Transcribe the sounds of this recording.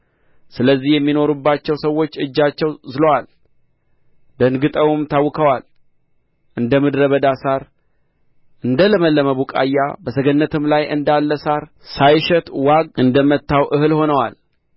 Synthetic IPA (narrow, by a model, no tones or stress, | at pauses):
sɨləzːihjɛmːino̞ɾubːat͡ʃːɛwsəwːo̞t͡ʃːɨd͡ʒːat͡ʃːɛwzɨlowal | d̪ənɡɨt̪ʼəwɨmt̪ʰawːɨkʰəwal | ʔɨnd̪əmɨd̪ɾəβəd̪asaɾ | ʔɨnd̪ələməlːəməβukʼa̰jːa̰bəsəɡənːət̪ʰɨmlajʔɨnd̪alːəsaɾ | sajʃɛt̪ʼwaɡ̚ʔɨnd̪əmət̪ːawʔɨhɨlho̞nəwal